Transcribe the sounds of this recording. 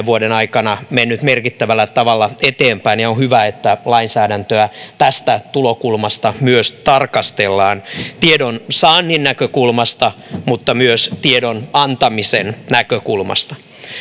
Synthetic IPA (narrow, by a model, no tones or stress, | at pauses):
ʋuodenɑikɑnɑmenːyt̪merkit̪ːæʋælːæt̪ɑʋɑlːɑet̪eːmpæinjɑonhyʋæet̪ːælɑinsæːdænt̪øæt̪æst̪æt̪ulokulmɑst̪ɑmyøst̪ɑrkɑst̪elːɑːnt̪iedonsɑːnːinːækøkulmɑst̪ɑmut̪ːɑmyøst̪iedonɑnt̪ɑmisennækøkulmɑ̰st̪ɑ̥